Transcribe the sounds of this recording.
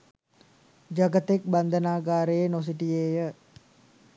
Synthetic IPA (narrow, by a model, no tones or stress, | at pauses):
d͡ʒaɡət̪ɛk̚band̪ənaɡaɾenos̬it̪iejə